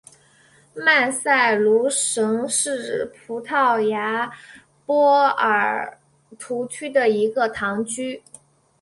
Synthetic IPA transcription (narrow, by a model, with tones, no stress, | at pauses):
ma˥˧nsa˥˩ɪlu˧˥ʂɤ˧˥ŋʂɻ̩˥˩pʰu˧˥t̪ʰɑ˥˩ʊja˧˥ | pwɔ˥ə˞˨˩ | t̪ʰu˧˥t͡ɕʰy˥d̪ə˨i˧˥ɡə˧t̪ʰɑ˧˥ŋt͡ɕy˥